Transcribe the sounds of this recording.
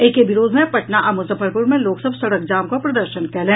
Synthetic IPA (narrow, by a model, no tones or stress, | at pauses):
eːkebɪɾoːd̪ʱmẽpɐʈnaʔɐmʊsəfəɾpʊɾmẽloːksəbʱsɐɽək̚d͡ʒaːmkopɾɐd̪əɾʃənkɛɦlẽː